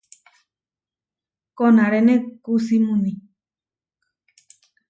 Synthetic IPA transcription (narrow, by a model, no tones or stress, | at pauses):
konãɾenekusimũni